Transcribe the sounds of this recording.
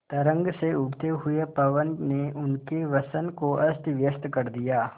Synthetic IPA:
t̪ɐɾə̃ŋɡseʊbt̪eɦʊepɐʋənneʔʊnkeʋɐsənkoʔɐst̪ʋjəst̪kɐɾd̪ijaː

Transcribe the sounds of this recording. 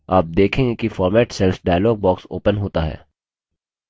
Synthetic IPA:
aːp̚d̪eːkʰẽːŋɡekifɔːɾmɛːʈsɛlfɖaːɪlɔːɡ̚bɔːksoːpənɦoːt̪aɦɛ̰ː

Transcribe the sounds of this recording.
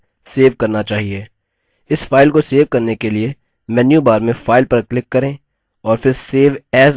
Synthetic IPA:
seːʋkɐɾnat͡ʃaːɦieː | ɪsfaːɪlkoseːʋkɐɾnekelie | mɛːnjubaːɾmẽfaːɪlpɐɾklɪkːɐɾẽ | ɔːɾfɪɾseːʋɛːz

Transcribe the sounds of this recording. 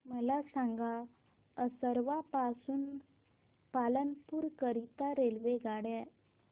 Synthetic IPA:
məlasãŋɡa | əsəɾʋapasuːn | palənpuːɾkəɾit̪aɾelʋeɡaɽɛ

